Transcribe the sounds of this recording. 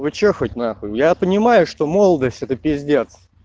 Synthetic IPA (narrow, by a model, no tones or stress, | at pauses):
vɨt͡ɕexətʲnaxəjʊjapənʲɪmajʊʂt̪o̞molˠəd̪əsʲtʲɛt̪əpʲɪzʲdʲet̪s